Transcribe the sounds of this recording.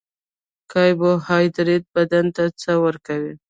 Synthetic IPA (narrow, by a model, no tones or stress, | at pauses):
kɑjbohɑjd̪ɾet̪̚bad̪ant̪at͡səwəɾkawi